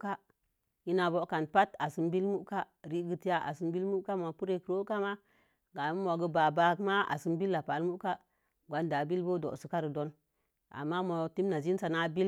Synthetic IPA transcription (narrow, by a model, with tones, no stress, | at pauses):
ka˦ | ji˦na˨bo˦ka˨npa˦ta˨si˦mbi˦lmu˦ʔka˦ | ɾi˦ɡi˨ti˦ja˦ʔa̰˨si˦mbi˦lmu˦ʔka˦mo˨pu˦ɾe˨kə˨ɾo˦ka˦ma˦ | ɡa˨˦mo˨ɡə˦ba˨ba˦kma˦a̰˨si˦mbi˦lːa˨pa˨lmu˦ka˦ | ɡʷa˨˦nda˨bi˦lbo˦do̰˨si˨˦ka˦ɾi˨do˦n | a̰˨mːa˦mo˨ti˦mna˨zi˦n˦sa˨na˦bi˦